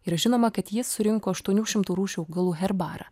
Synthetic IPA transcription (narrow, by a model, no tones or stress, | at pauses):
ɪɾʒʲɪnoːmɐkɐt̪jɪsːʊɾʲɪŋkoːɐʃt̪uɔnʲuːʃʲɪmt̪uːɾuːʃʲuːɡɐlˠuːɦʲɛɾbɑːɾɐ̰ː